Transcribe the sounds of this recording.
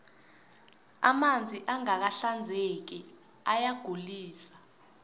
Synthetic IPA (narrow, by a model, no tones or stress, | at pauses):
a̰mand͡zʱiʔaŋak̬aɬand͡zʱek̬i | ajaɡ̥ʱuliːsḁ